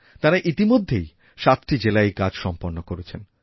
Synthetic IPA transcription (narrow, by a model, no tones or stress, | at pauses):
t̪aɾaʔit̪imod̪ʱːej | ʃat̪ʈid͡ʑelaeɡad͡ʑʃɔmpoɾnokoɾet͡ɕʰen